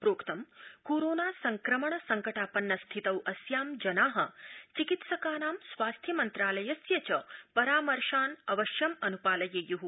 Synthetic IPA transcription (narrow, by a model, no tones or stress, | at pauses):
pɾoːkt̪ɐmkoːɾoːnaːsɐŋkɾɐmɐɳɐsɐŋkɐʈaːpɐnːɐst̪ʰit̪ɐwɐsjaːmd͡ʒɐnaːɦɐ̰t͡ʃikit̪sɐkaːnaːmsʋaːst̪ʰjɐmɐnt̪ɾaːlɐjɐsjɐt͡ʃɐpɐɾaːmɐɾʃaːnɐʋɐʃjɐmɐnupaːlɐjɐjuɦu